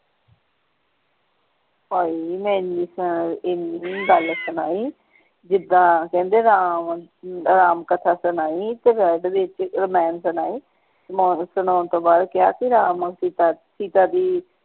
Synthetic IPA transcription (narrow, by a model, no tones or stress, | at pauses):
ɦoːiːmɛ̃ːɪnːiːsəɪnːiːɡəlsənaːiː | d͡ʒɪd̪ãːkɛ̃ːnd̪eːɾaːmɾaːmkət̪ʰaːsənaːiːt̪eːbɛːɖʋ̪ɪt͡ʃɾəmɛːnsənaːiː | osʊnoːnt̪õːbaːd̪kɪjaːkiɾaːməsiːt̪asiːt̪aːd̪iː